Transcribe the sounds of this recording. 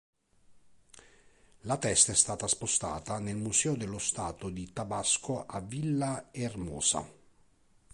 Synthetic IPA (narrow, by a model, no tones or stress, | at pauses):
lat̪ɛst̪aɛst̪aːt̪aspost̪a̰ːt̪anelmusɛːod̪elːost̪aːt̪od̪it̪abaskoʔavːilːaermɔ̰ːsa̰